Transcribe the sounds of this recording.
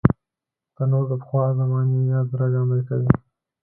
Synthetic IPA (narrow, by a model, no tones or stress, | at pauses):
t̪ənoɾd̪əpə̥xwɑzamɑnijɑzɾad͡ʒɑməɾkawi